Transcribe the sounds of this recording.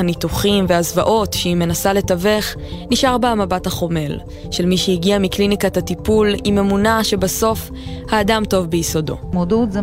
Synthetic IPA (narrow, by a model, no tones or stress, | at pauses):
anituχimveazvaʔo̞tʃeime̞nasale̞tave̞χ | niʃaʁbaamabathaχo̞me̞l | ʃe̞lmiʃehiɡiamiklinikatatipulime̞munaʃe̞baso̞f | haːdamto̞vbejiso̞do̞̰modutze